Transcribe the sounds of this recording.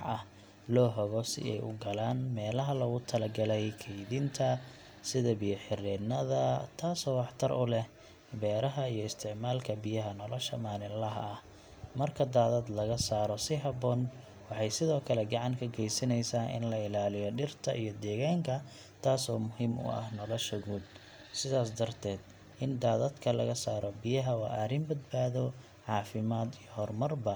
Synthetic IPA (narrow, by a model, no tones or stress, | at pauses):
ħɐh | lɔːɦɔɣɔsɪ̰ɛ̰jʔʊ̰ɡɐlaːnmɛːlɐɦɐlɔɣʊt̪ʰɐlɐɡɐlɛjkʰɛjðɪnt̪ʰɐ | sɪðɐbɪjɐħɪɾɛːnɐðɐt̪ʰaːsɔːwɑħt̪ʰɐrʔʊlɛh | bɛːɾɐɦɐijɔɪst̪ʰɪʕmaːlkʰɐbijɐɦɐnɔlɔʃɐmaːnɪlɐɦɐ̰ɐh | mɐrkʰɐd̪aːðɐd̪lɐɣɐsaːɾɔsɪɦɐbɔːn | wɑħɑjsɪðɔːkʰɐlɛɡɑʕɑŋkʰɐɡɛjsɪnɛjsaːʔɪ̰nlɐɪlaːlɪjɔɖɪrt̪ʰɐ̰ʔijɔd̪ɛːɣaːŋkʰɐ | t̪ʰaːsɔːmʊɦimʊ̰ɐ̰hnɔlɔʃɐɣuːd̪ | sɪðaːsd̪ɐrt̪ʰɛːd̪̥ | ʔɪnd̪aːðɐd̪kʰɐlɐ̰ɣɐsaːɾɔbɪjɐɦɐwɑ̰ːʔɐɾɪmbɐd̪baːðɔ | ʕɑːfɪmaːd̪ijɔhɔrmɐrbɐ